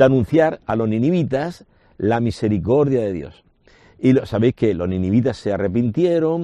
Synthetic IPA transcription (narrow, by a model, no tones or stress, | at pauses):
anũn̟θjaɾalo̞znĩniβit̪as | lamise̞ɾiko̞ɾðjaðe̞ðjo̞̰s | ilosaβe̞jske̞lo̞znĩniβit̪asːe̞are̞pint̪je̞ɾo̞ŋ